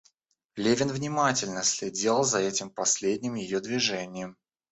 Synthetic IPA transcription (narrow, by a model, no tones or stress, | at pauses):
lʲevʲɪnvnʲɪmatʲɪlʲnəsʲlʲɪdʲelˠəlˠzɐɛtʲɪmpɐsʲlʲedʲnʲɪmjɪjod̪vʲɪʐɛnʲɪjəm